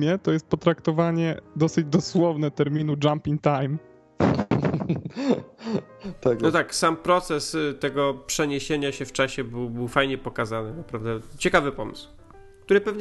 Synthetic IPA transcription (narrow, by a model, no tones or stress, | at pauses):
mʲjɛt̪ɔjɛst̪̚pɔt̪ɾakt̪ɔvaɲɛd̪ɔsɘd͡ʑd̪ɔswɔvnɛt̪ɛɾmʲinud͡ʐampʲiŋkt̪ajm | t̪anɔt̪aksampɾɔt̪sɛst̪ɛɡɔpʂɛɲeɕeɲaɕɛft͡ʂaɕɛbɘwbɘwfajɲɛpɔkazanɘnapɾavd̪ɛt͡ɕɛkavɘpɔmɘ̰sw | k̚t̪uɾɘpɛvɲ